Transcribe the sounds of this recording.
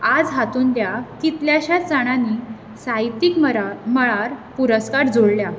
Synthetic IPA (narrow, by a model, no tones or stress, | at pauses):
ad͡zɦat̪uːnd̪jakit̪ljaɕat͡saɽ̃ani | sajt̪ikməɭaɾpuɾəskaɾd͡zoɽlja